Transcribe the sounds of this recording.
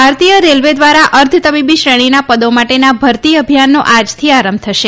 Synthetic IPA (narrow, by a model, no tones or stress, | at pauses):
bʱaɾt̪ijəɾelʋed̪ʋaɾaʔəɾd̪ʱt̪əbibiʃɾəɽ̃inapəd̪omaʈenabʱəɾt̪iəbʱijanːoʔad͡ʒt̪ʰiaɾəmb̚t̪ʰəʃe